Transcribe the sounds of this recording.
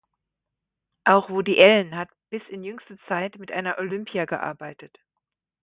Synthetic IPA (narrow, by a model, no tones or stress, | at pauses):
ʔaʊxv̥odiʔɛlnɦatb̥ɪsɪnjʏŋstət͡saɪtmɪtʔa̰ɪnɐʔolʏmpijaɡə̰ʔa̰ɐbaɪtət